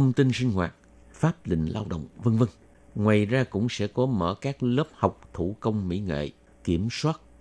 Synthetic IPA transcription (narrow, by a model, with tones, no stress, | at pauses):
ə˧wŋ͡mt̪i˧nsï˧ŋ̟ɦwa̰ː˨˩t̚ | faː˦˥p̚lḭ̈˧˨ŋ̟laː˧wɗə̰˧˨wŋ͡mvə˧nvə˧n | ŋwaː˨˩jzaː˧kʊ̰˧˥ŋ͡msɛ̰˧˥kɔ˨˦mə̰ː˧˩kaː˦˥k̚ləː˦˥p̚ha˨˩wk͡p̚t̪ʰu˧˩kə˧wŋ͡mmḭ˧˥ŋḛ˧˨ | ki˧˩əmswaː˦˥t̚